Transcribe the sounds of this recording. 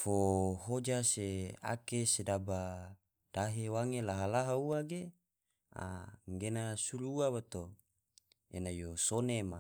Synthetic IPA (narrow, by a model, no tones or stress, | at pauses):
foɦod͡ʒasea̰kesedaba | d̥aɦewaŋelaɦalaɦauaɡe | a̰ŋɡenasuɾuuawat̪o | ḛnajosonema